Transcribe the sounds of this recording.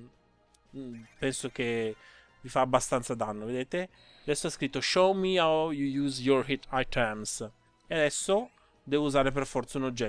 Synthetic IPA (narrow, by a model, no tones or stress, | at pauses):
pɛnsok̟e | vifaːbːast̪ant̪sad̪anːoved̪eːt̪e | ad̪ɛsːoaskɾit̪ːoʃowmiawjujuːzjorhit̪ʰːajt̪ʰɛms | ead̪ɛsːo | d̪ɛːvouzaːɾeperfɔrt̪saunod͡ʒːɛ